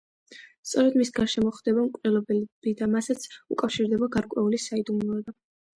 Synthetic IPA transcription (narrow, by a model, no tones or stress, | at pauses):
st̪sʼɔɾɛd̪misɡaɾʃɛmɔχd̪ɛbamkʼvɾɛlˠɔbɛlb̥id̪amasat̪sʰṵkʼafʃiɾd̪ɛbaɡaɾkʼwɛulisaid̪umluɛba